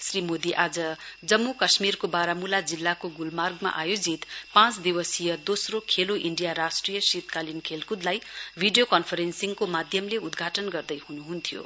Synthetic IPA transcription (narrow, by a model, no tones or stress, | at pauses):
srimod̪iʔad͡zʌd͡zʌmːukʌsmirkobaɾamulad͡zilːakoɡulmarɡma̰ʔajod͡zit̪pãt͡sd̪iwʌsijʌd̪osrokʰeloʔiɳɖijaɾasʈrijʌsit̪kalinkʰelkud̪lajbʱiɖijokʌnpʰʌɾensiŋkomad̪ʱjʌmleud̪ɡʱaʈʌnɡʌrd̪ʌjhunuɦunt̪ʰijo̰